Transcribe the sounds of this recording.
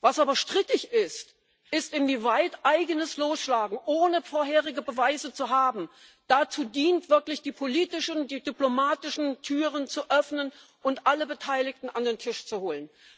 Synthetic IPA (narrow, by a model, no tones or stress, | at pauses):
vasʔaːbɐʃtʁ̥ɪtɪçɪst | ʔɪstɪnviːvaɪtʔaɪɡənəsloːsʃlaːɡŋ̩ʔoːnəfoːɐɦeːʁɪɡəbəvaɪzət͡suɦaːbm̩ | d̥at͡suːdiːntv̥ɪɐklɪçd̥iːpʰoliːtɪʃəndiːdyplomaːtɪʃn̩tʰyːʁənt͡suʔœfnən | ʔʊntʔaləbətʰaɪlɪktn̩andeːntʰɪʃt͡suhoːlən